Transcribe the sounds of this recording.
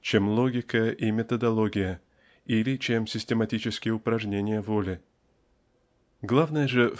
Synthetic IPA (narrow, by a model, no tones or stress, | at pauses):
t͡ɕemlˠoɡʲɪkəjəʔimʲɪt̪əd̪ɐlˠo̞ɡʲɪjə | ilʲɪt͡ɕe̞msʲɪsʲtʲɪmɐtʲit͡ɕɪskʲɪjəʊpɾɐʐnʲenʲɪjəvolʲɪ | ɡlˠavnəjəʐɨ